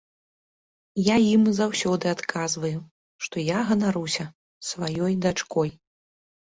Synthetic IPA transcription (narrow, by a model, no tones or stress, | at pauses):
jajimzawsʲɔd̪ɨat̪kʰazvɐju | ʂt̪ɔjaɣɐnaɾusʲɐ | svajɔjd̪at͡ʂkɔj